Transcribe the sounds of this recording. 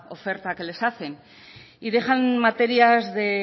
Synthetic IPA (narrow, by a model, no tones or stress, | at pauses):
o̞fe̞ɾt̪ake̞le̞saθe̞n | ið̞e̞χanmat̪e̞ɾiazðe̞